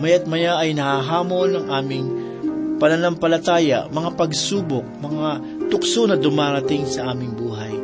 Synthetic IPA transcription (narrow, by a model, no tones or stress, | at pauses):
mɐjat̪̚mɐjaɐjnɐhaɦaːmo̞nɐŋʔaːmɪŋ | pɐnɐnɐmpɐlɐt̪aːjɐ̰mɐŋapɐɡsuːbok̚mɐŋa | t̪ʊksonɐd̪ʊmaːɾɐt̪ɪŋsɐʔaːmɪŋbuːɦɐj